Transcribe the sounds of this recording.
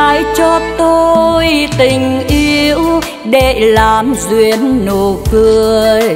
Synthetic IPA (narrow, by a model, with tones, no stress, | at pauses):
a˧˨jt͡ɕɔ˧t̪o˧jt̪ï˨˩ŋ̟ʔi˧əw | ɗe˧˩˨laː˨˩mzwi˨˩ənːo˨˩kɨ˧əəj